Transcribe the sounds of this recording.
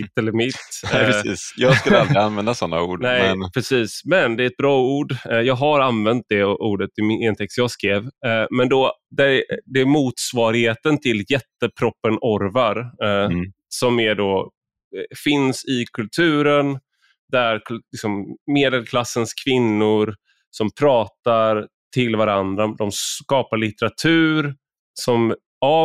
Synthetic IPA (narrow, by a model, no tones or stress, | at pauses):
t̪ːɛlːəɾmɪt̪ːiːsjɑːɡskɵlald̪ɾɪanvɛnd̪asɔnːa̰uːɖnɛjnpʰɾɛsiːsmɛnd̪ɛɾɛt̪̚bɾɑːuːɖjɑːɡɦaɾanvɛnt̪̚d̪ɛʔuːɖət̪ːɪmɪɛnt̪ʰɛkst̪jɑːɡskɾeːvmɛnd̪ɔd̪æɾd̪ɛæmuːt̪svɑːɾɪheːt̪ənt̪ʰɪljɛt̪ːəpʰɾɔpːənʔɔɾvaɾ | sɔmæɖɔ | fɪnsɪkʰɵlt̪ʰʉ̟ːɾən | d̪æɾklɪksɔmːeːd̪əlkʰlasːənskʰvɪnːʊɾ | sɔmpʰɾɑːt̪aɾ | t̪ʰɪlvaɾand̪ɾad̪ɔmskɑːpaɭɪt̪ɛɾat̪ʰʉ̟ːɾ | sɔm | a